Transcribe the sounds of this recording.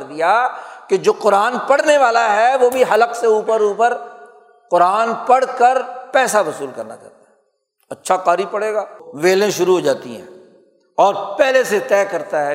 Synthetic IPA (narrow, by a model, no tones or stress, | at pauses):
ɾd̪ijaked͡ʒoːqʊɾaːnpɐɽ̤neʋaːlaɦɛʋoːbʱiɦɐləqseuːpəɾuːpəɾ | qʊɾaːnpɐɽ̤kəɾpɛːsabɐsuːlkɐɾna̰t͡ʃɐ̰ɾt̪aɦɛ | ɐtːʃʰakaːɾipɐɽeːɡaːʋeːlẽʃʊɾuɦoːd͡ʒaːt̪ḭɦɛ̰̃ː | ɔːɾpɛɦleset̪ɛːkɐɾt̪aɦɛ